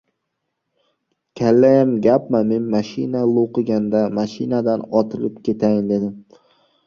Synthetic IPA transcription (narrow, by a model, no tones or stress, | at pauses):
kʲʰalːajamɡʲapmame̞nmaʃɪnalˠoqɨɡʲand̪amaʃɪnad̪anɒt̪ʰɪlɪp̚kʲe̞t̪ʰajɪnd̪e̞d̪ɪm